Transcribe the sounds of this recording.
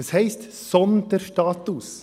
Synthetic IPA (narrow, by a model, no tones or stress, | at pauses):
shɛɪst̪ | sɔnd̪əɾʃʈɑːt̪ʊs